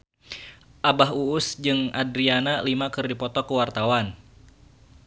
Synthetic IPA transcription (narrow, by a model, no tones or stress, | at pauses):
ʔabaɦuʊsd͡ʒɨŋadɾianalimakɨrdipɔt̪ɔkəwart̪awan